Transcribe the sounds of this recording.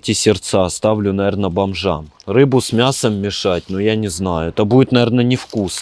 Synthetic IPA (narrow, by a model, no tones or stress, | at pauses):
tʲɪsʲɪrt̪sast̪avlʲʊnɐvʲernəbɐmʐa̰m | rɨbʊsmʲasəmːʲɪʂat̚ʲnojanʲɪznajʊɛt̪əbudʲɪt̪nɐernənʲɪfkus